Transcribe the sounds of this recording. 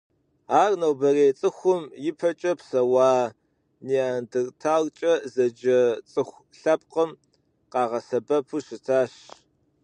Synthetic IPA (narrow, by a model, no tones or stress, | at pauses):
aːrnɐwbɐreːt͡sʼɨxʷʊmjɪpʰɐt͡ʃʼɐpsɐwɑː | niandɨrtʰaːlt͡ʃʼɐzɐd͡ʒɐt͡sʼɨxʷ | ɬɐp̚qəm | qɑːʁɐsɐbɐpʰuɕɪtʰaːɕ